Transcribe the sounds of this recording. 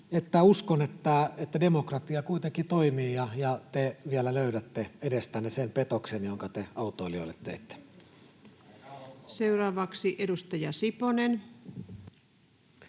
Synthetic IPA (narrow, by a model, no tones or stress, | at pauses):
et̪ːæuskonet̪ːæet̪ːædemokrɑt̪iɑkuit̪eŋkit̪oimiːjɑjɑt̪eʋiælæløyɾæt̪ːeedest̪ænːesempet̪oksenjoŋkɑt̪eɑut̪oilio̰let̪ːḛt̪ːe̥ | seurɑːʋɑksiʔedust̪ɑjɑsiponen